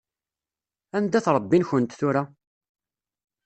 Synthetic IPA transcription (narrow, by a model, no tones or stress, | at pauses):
ænd̪æθɾˤəbːinçənt̪θʊɾa